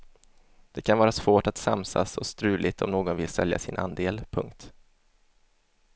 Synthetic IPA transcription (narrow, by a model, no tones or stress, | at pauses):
d̪̥ɛkʰanvɑːɾasvoːʈat̪sa̰msa̰sɔst̪ɾʉ̟ːlʔɪt̪ʰɔmnoːɡɔnvɪlsɛ̰lja̰sɪnʔa̰nd̪eːlpʰɵŋkt̪